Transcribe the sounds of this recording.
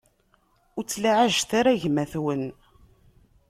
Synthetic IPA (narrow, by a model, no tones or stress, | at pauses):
ʊt͡sːlaʕaʒθaɾaʝmæθwən